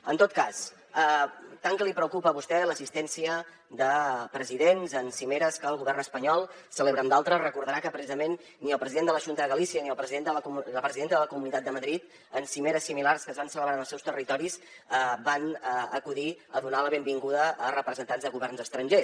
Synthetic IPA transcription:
ənt̪ot̪̚kas | ət̪aŋkəlipɾəukupəːβust̪ɛləsist̪ɛnsiə | d̪əpɾəziðenzənsimeɾəskəːlˠɣuβɛrnəspəɲɔlˠ | səleβɾəmd̪alˠt̪ɾərəkuɾðəɾakəpɾəsizəmenː | iəlˠpɾəziðend̪ələʒunt̪əðəɣəlisiəniəlˠpɾəziðenələpɾəziðenəðələkumunit̪at̪d̪əməðɾit̪ | ənsimeɾəsːimilarskəzβansələβɾanəlˠsɛwst̪ərit̪ɔɾizəbanəəkuðiəðunaləβembiŋɡuðəʔːrəpɾəzənt̪anzðəɣuβɛrnzəst̪ɾənʲʒe

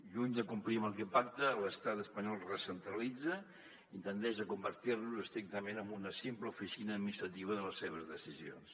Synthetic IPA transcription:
ʎuɲd̪əkumpliəməlˠkɛpaɾt̪ələst̪at̪əspəɲɔlˠrəsənt̪ɾəlid͡zə | int̪ənt̪ɛʃəkumbəɾt̪iɾnuzəst̪ɾik̚t̪əmenəmbunəsimpləufisinəːminist̪ɾət̪iβəðələsːeβ̞əzðəsizio̰ns

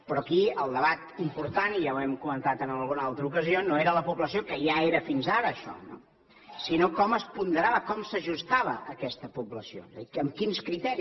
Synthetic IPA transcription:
pɾɔkiəlˠd̪əβat̪impuɾt̪anijawɛmkumənt̪at̪ənəlˠɣunəalˠt̪ɾəukəzionoeɾələpuβləsiokəjaeɾəfinzaɾəːʃɔ̰no̰ | sinokɔməspund̪əɾaβəkɔmsəʒust̪aβ̞əːkɛst̪əpubləsio̰əmkinskɾit̪ɛɾi

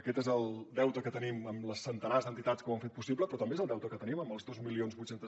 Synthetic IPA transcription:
əkɛt̪ezəlˠd̪ɛwt̪əkət̪əniməmləsːənt̪ənazðənt̪it̪at̪skəuə̃mɱfet̪pusipləpɾɔt̪əmbezəlˠd̪ɛwt̪əkət̪əniməməlˠzðozmilionzβujt͡ʃɛnt̪ə

